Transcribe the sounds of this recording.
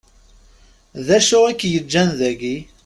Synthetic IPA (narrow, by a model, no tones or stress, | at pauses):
ðæʃʊʁækːjəd͡ʒːænðæɡi